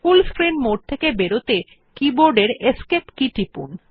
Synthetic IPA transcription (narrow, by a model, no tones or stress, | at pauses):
fulskɾinmoɖ̚t̪ʰekebeɾot̪e | kiboɾɖeɾeskepkiʈipṵn